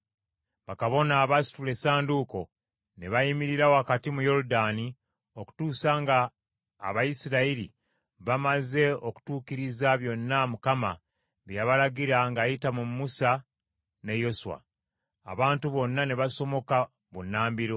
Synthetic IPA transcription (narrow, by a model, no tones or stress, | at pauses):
βakaβo̞naːβasi̥tule̞saːnduko̞ | ne̞βajimiɾiɾawoakatimujo̞ɾudani | o̞ku̥tuːsaŋɡa̰ː | βajisiɾaiɾḭ | βamaze̞oku̥tuːkiɾizaβjo̞nːamukama̰ | βjaβalaɡiɾaŋɡajitamuːusa | ne̞jo̞suwa̰ː | βaːntuβo̞nːane̞βaso̞mo̞ka | βunːaːmbiɾo̞